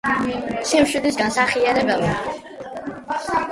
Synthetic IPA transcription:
simʃid̪isɡansaχiaɾɛbɛlˠ

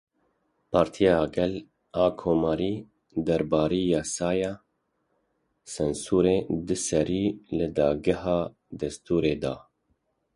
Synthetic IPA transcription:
pʰɑːɾt̪ʰijɑːɡɛl | ɑːkʰoːmɑːɾiː | d̪ɛɾbɑːɾiːjɑːsɑːjɑː | sɛnsuːɾeːd̪ɨsɛɾiːlɨd̪ɑːɡɪhɑː | d̪ɛst̪uːɾeːd̪ɑ̰ː

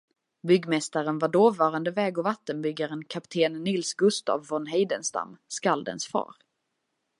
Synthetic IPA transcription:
bʏɡmɛst̪aɾənvaɖoːvɑːɾand̪əvɛːɡɔvat̪ːənbʏɡːaɾənkʰapt̪ʰeːnːɪlsɡɵst̪a̰ːvːɔnɦɛjd̪ənst̪a̰mskald̪ə̰nsfɑ̰ːɾ

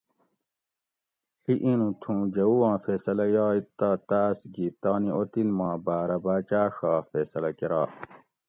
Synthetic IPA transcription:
xiʔinũt̪ʰũːd͡ʑɐuwãːfeːsɐlɐjɑːit̪ːaːt̪aːsɡiːt̪aːniʔot̪inmãːbaːɾɐbaːt͡ɕaːʂaːfeːsɐlɐkeɾaː

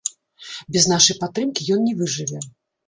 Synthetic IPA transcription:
bʲɛznaʂɐjpat̪ːɾɨmkʲijɔnnʲɛvɨʐɨvʲɛ

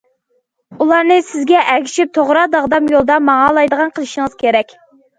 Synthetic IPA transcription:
ulˠɑɾnɨsɪzɡʲɛʔɛkʲʰi̥ʃip̚t̪ʰoʁɾɑd̪ɑʁd̪ɑmjolˠd̪ɑmɑŋɑlˠɑjd̪əʁɑnqʰəlˠɨʃiŋəz̥kʲʰeɾɛkʲ

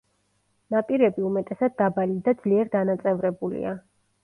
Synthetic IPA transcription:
napʼiɾɛbiumɛt̪ʼɛsad̪̚ːabalid̪ad̪z̥liɛɾd̪anat̪sʼɛvɾɛbulḭa

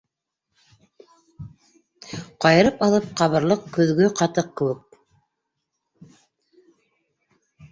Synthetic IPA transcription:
qɑjɤ̆ɾɤpɑlˠɤp̚qɑβɤ̆ɾlˠɤqkɵ̆ðɡɵqɑt̪ɤq̚kɘ̆wɘk̚

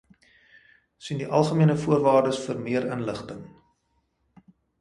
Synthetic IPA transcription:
sindiʔɐlˠχəmiənəfuərvɑːrdəsfərmiəɾənləχtəŋ

